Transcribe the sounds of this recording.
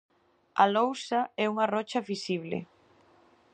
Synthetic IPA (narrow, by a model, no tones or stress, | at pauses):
alowsaɛuŋarɔt͡ʃɐfisiβlɪ̰